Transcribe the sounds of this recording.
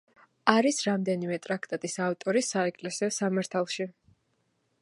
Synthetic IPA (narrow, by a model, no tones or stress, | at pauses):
aɾisɾamd̪ɛnimɛt̪ʼɾak̚ʰt̪ʼat̪ʼisaft̪ʼɔɾisaɛkʼlɛsiɔsamaɾt̪ʰalˠʃi